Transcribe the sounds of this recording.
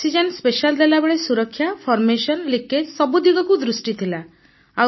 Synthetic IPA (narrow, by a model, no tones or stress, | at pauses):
sid͡ʒɔnspeʃald̪elabeɭesuɾɔkʰːjapʰɔɾmesɔnlikesɔbud̪iɡɔkud̪ɾusʈit̪ʰila | a